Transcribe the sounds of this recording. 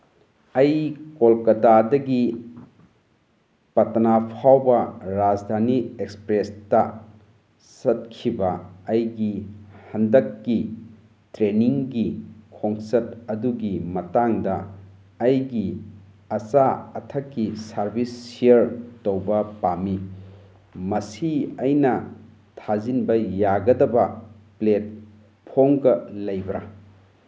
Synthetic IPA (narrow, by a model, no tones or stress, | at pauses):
ɐjkolkɐtadɐɡi | pɐtɐnapʰawbɐɾad͡ʒdʱaniekspɾestɐ | sɐt̚kʰibɐɐjɡihɐndɐkːi | tɾeniŋɡikʰoŋsɐt̚ɐduɡimɐtaŋdɐ | ɐjɡi | ɐsaɐtʰɐkːisɐɾbʱisːieɾtowbɐpami | mɐsiɐjnɐ | tʰazinbɐjaɡɐdɐbɐ | plet̚ | pʰoŋɡɐlɐjbɾɐ